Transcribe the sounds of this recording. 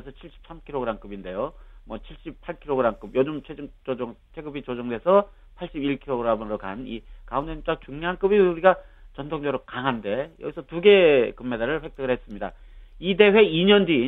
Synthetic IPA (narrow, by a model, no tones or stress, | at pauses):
sʰʌt͡ɕʰiɭɕ͈i̥p̚s͈amkʰiɾoɡɯɾamk͈ɯbinde̞jomwʌt͡ɕʰiɭɕ͈ipʰaɭkʰiɾoɡɯɾamk͈ɯb̚jod͡ʑɯmt͡ɕʰed͡ʑɯŋt͡ɕooŋt͡ɕʰe̞ɡɯbit͡ɕod͡ʑʌŋde̞sʰʌ | pʰaɭɕ͈ibiɭkʰiɾoɡɯɾamɯɾoka̰nikaundeɯt͡ɕ͈ak̚t͡ɕuŋɲoɦank͈ɯbiuɾiɡat͡ɕʌntʰoŋd͡ʑʌɾokaŋɦande̞jʌɡisʰʌtuɡe̞kɯmːe̞daɾɯɭɸwe̞k̚t͈ɯɡɯɭhes͈ɯmɲida | ide̞we̞iɲʌndi